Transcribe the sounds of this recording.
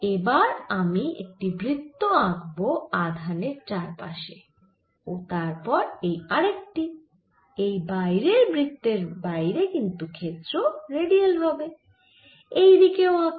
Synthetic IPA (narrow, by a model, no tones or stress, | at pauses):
ebaɾamiḛk̚ʈibɾit̪ːoaɡboad̪ʱaneɾt͡ɕaɾpa̰ʃe | ot̪aɾpɔɾejaɾekʈi | ejbajɾeɾbɾit̪ːeɾbajɾekint̪ukʰet̪ːɾoɾeɖielɾɔbe | ejd̪ikeoaɡ